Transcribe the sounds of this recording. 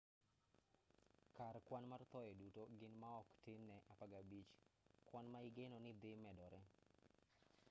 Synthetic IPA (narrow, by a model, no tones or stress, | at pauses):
karkwanmart̪ɔjɛdutoɡɪnmaɔktɪnːɛʔapaɡabit͡ʃkwanmaɪɡenɔnɪd̪ɪmɛdɔɾɛ